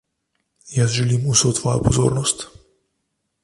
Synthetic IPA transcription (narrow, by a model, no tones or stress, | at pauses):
jasʒɛlimusɔt̪vɔjɔ̰pɔzo̰ɾnɔst̪